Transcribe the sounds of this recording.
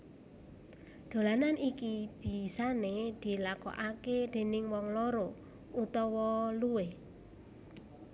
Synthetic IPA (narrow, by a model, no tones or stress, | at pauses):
d̪̥o̤lananʔikib̥i̤saned̪̥i̤lakɔ̰ʔaked̪̥e̤nɪŋwɔŋloɾo | ut̪ɔwɔluwe